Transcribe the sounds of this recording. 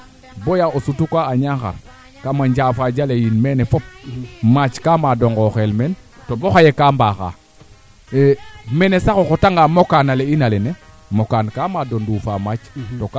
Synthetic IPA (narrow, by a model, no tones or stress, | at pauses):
bojaosutukaaɲaŋxa̰ɾ | kamaɲɟaːfaɟalejinmenefɔp̚mat͡ʃkaːmadoŋɡoxelmɛntoboxajekaːmbaːxa̰ | mɛnesaxoxotaŋɡamokanaleinalene | mokankamadondufaːmat͡ʃtok